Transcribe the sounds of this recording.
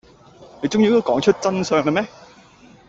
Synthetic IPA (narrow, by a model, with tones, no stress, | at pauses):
he˨˩t͡sʊ˥˧ŋji˧˥t̪o˧˥kɔː˨˥ŋt͡ʃʰɵ˥t̚t͡sɐ˧nsœː˨ŋla˨˩mɛ˦˥